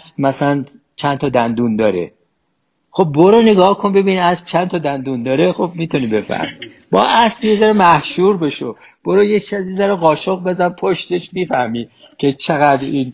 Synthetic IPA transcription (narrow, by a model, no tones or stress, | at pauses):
sbmæsælæn | t͡ʃʰænt̪ʰɒːd̪ænd̪und̪ɒːɾḛ | χo̞b̚ːoɾoneɡɒːhkʰonbe̞biːnæsb̥t͡ʃʰænt̪ʰɒːd̪ænd̪und̪ɒːɾexo̞b̚miːt̪ʰuniːbe̞fæ̰hmi | bɒ̰ːʔæsbjezæɾemæhʃuːɾbe̞ʃo | b̥oɾojet͡ʃʰæzezæɾoɣɒːʃoɣbe̞zænpʰoʃt̪eʃmiːfæhmiː | cʰet͡ʃʰeɣæd̪ɾiːn